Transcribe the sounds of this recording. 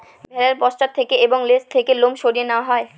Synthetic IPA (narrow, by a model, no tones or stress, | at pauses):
bʱɛlaɾpɔsʃt͡ɕat̪ʰːekeeboŋlest̪ʰːekelomʃoɽijenaɦɔe